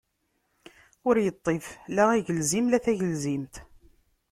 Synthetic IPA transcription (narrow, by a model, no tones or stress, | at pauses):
ʊɾjət̪ˤːeflæʁiʝəlzimlæθæʝəlzimt̪